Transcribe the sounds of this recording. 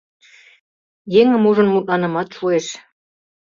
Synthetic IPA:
jeŋə̆muʒə̆nmut̪lɑnə̆mɑt̪ʃueʃ

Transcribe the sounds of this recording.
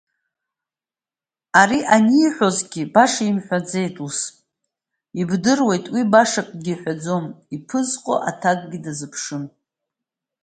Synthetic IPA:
aɾiʔaniːħʷᶣo̞zɡʲibaʂaimħʷᶣad͡ze̞jtʼus | ibdɨrwe̞jtʼwibaʂakʼɡʲiħʷᶣad͡zo̞mipʰɨzqʼo̰ʔa̰tʰaɡʼɡʲidazɨpʰʂɨn

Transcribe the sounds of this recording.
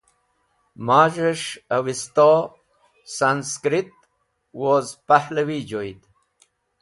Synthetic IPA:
maːʒəʂawist̪o | sanskɾit̪̚ | wozpahlɐwid͡ʒojd̪

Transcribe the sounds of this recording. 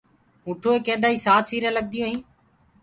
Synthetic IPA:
ʊ̃ːʈʰoːeːkẽːnd̪aːiːsaːt̪siːɾẽːləɠ̚d̪ɪjõːɦĩː

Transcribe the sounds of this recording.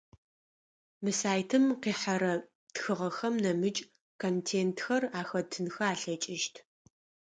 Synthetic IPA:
mɨsaːjtʰɨmqiːħaɾɐ | txɨʁɐxɐmnɐmɨt͡ʃʼ | kʰontʰeːntʰxɐraːxɐtʰɨnxɐaːɬɐt͡ʃʼɪʃtʰ

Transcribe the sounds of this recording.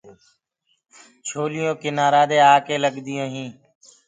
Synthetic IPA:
t͡ʃʰoːlɪjõːkɪnaːɾaːd̪eːaːkeːləɠd̪ɪjõːɦĩː

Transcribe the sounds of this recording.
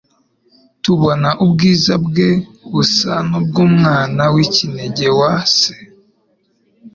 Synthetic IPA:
tuβo̞naʔubɡiːzabɡe | βusanub̚ɡuːmŋaːnawicineɟe̞waːse̥

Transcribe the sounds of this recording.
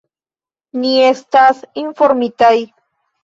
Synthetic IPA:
nie̞st̪asinfo̞ɾmit̪aj

